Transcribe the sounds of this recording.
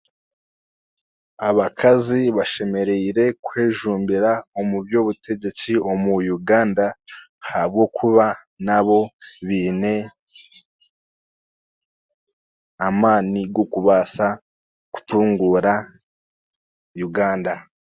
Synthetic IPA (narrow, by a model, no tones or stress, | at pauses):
aβakʰaziβaʃe̞me̞ɾe̞iɾe̞kweːʒuːmbiɾaomubjoβutʰe̞ɟe̞t͡sio̞mujuɡaːnda | hab̚ɡo̞kʰuβa | naβo̞βiːne̞ | amaːniɡokuβasa | ku̥tuːŋɡuɾa | juɡaːnda